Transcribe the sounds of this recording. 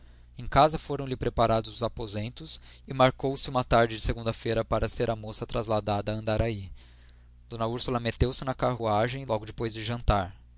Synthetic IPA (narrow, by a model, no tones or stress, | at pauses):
ẽj̃kazɐfoɾɐ̃w̃lɪpɾepaɾad̪ʊzʊzapozẽnt̪ʊs | ɪmaɾkowsɪũmɐt̪aɾd͡ʒɪd͡ʒɪseɡũnd̪ɐfejɾɐpaɾɐseɾɐmosɐt̪ɾɐzlad̪ad̪ɐːɐ̃nd̪aɾai | d̪̥õnɐuɾsulɐmet̪ewsɪnɐkaɦuaʒẽj̃lˠɔɡʊd͡ʒɪpojzd͡ʒɪʒɐ̃nt̪aɾ